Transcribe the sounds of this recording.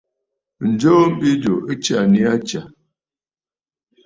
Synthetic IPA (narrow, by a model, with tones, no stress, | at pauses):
n̩˨d͡ʒo˦m̩˦bi˦d͡ʒo˨e˦t͡ʃa˨ni˦a˦t͡ʃa˨